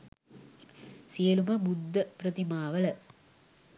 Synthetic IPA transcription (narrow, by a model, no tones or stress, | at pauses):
sijɐlumɐmud̪ːɐpɾɐt̪imaːʋəlɐ